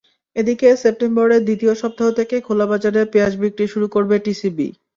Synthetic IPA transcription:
ed̪ikesep̚ʈemboɾed̪it̪ioʃɔb̚t̪ʰaɦot̪ʰekekʰolabad͡ʑaɾeɾpead͡ʑbik̚ʈiʃuɾukoɾbeʈisibḭ

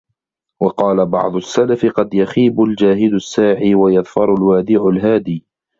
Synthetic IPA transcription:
wɑqɑːlabɑ̰ʕd̪ˤʊsːalafɪqɑd̪jaxiːbʊld͡ʒaːhɪd̪ʊsːaːʕiːwajɑðˤfɑɾˤʊlwaːd̪ɪʕʊlɦaːd̪iː

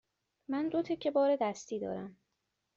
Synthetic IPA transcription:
mænd̪ot̪ʰecʰebɒːɾe̞d̪æst̪iːd̪ɒ̰ːɾæm

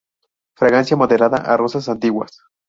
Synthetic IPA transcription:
fɾaɣansjamoðeɾaða̰ʔa̰rosas̬ant̪iwa̰s

